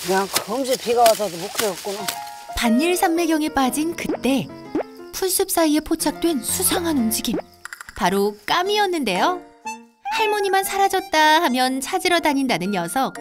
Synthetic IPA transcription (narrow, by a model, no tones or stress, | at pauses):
kɯɲaŋkʌmd͡ʑipʰiɡawasʰʌdomokʰiʌk̚k͈ona | paɲːiɭsʰamːeɡjʌŋe̞p͈ad͡ʑinkɯt͈e̞ | pʰuns͈ʰɯp̚s͈aie̞pʰot͡ɕʰak̚t͈we̞nsʰusʰaŋɦanund͡ʑiɡim | paɾok͈amiʌnːɯnde̞jo | haɭmʌɲimansʰaɾad͡ʑʌt̚t͈ahamjʌnt͡ɕʰad͡ʑiɾʌdaɲindanɯnjʌsʰʌk̚